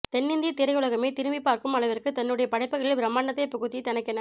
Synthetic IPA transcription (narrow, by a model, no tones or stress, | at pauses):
t̪ɛnːɪnd̪it̪ɪɾɐɪɯɭɐɣɐmeːt̪ɪɾɯmbipːaːɾkɯmɐɭɐʋɐɾkːɯt̪ɐnːɯɽɐjɐpɐɽɐɪpːɯɣɐɭɪlbɪɾɐmːaːnɐt̪ːɐɪpʊɣɯt̪ːit̪ɐnɐɪkːɐnɐ